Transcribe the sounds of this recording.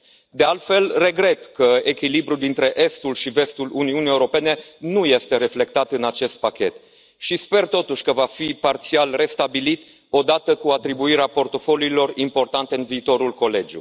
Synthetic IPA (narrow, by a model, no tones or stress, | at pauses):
d̪e̞alt̪fe̞lre̞ɡɾe̞t̪kəe̞kʲilibɾud̪int̪ɾe̞ʔe̞st̪ulʃive̞st̪uluniunieuɾo̞pe̞ne̞nuje̞st̪e̞ɾe̞fle̞k̚t̪at̪ɨnat͡ʃe̞st̪̚pakʲe̞t̪ | ʃispe̞rt̪o̞t̪uʃʲkəvafipart̪sialre̞st̪abilit̪ | o̞d̪at̪əkuat̪ɾibuiɾeapo̞rt̪o̞fo̞luiːlo̞rimpo̞rt̪ant̪e̞ɨnviːt̪o̞ɾulko̞le̞d͡ʒṵ